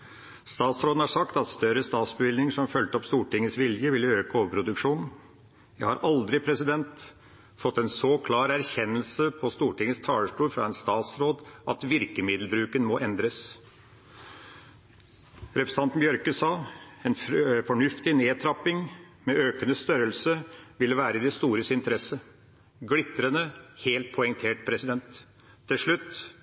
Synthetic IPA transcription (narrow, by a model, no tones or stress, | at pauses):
st̪ɑːt̪sɾoːd̪n̩hɑʂɑkt̪ɑt̪st̪œɾəst̪ɑːt̪sbʋɪlnɪŋəʂɔmfœlt̪əɔpst̪uːʈɪŋːəsʋɪljəʋɪlːəøːkəoːʋəpʰɾʊd̪ʉkʂuːn | jæɪhɑɾʔɑld̪ɾɪpʰɾɛsɪd̪ɛnt̪ | fɔt̪ːɛnsɔkʰlɑːɾæɾçɛnːəlsəpʰɔst̪uːʈɪŋːəst̪ʰɑːɭəʂʈuːɾfɾɑ̰ːɛnst̪ɑːt̪sɾoːd̪ʔɑt̪ʋɪɾkəmɪd̪l̩bɾʉːkənmɔːʔɛnd̪ɾəs | ɾɛpɾəsɑnt̪n̩bjœɾkəsɑːɛnfɔɳʉft̪ɪneːt̪ʰɾɑpɪŋ | mɛʔøːkənəst̪œɾəlsəʋɪlːəʋæːɾəɪd̪ɛst̪uːɾəsɪnt̪əɾɛsə | ɡlɪt̪ɾənəheːlt̪̚pʰɔɛŋt̪ʰeːʈpʰɾɛsɪd̪ɛnt̪ʰː | ɪlʂɭʉt̪ː